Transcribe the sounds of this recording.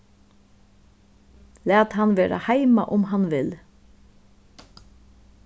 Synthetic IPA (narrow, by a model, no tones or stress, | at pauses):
læːt̪ɦanʋeːɾa̰hajma̰ʔʊmɦanʋɪl